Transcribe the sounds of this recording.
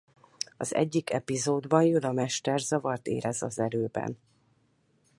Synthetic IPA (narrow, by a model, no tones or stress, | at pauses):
ɒzɛ̰ɟːikɛpizoːd̪bɒnjud̪ɒmɛʃt̪ɛrzɒvɒrt̪ḛːɾɛzɒzɛɾøːbɛ̰n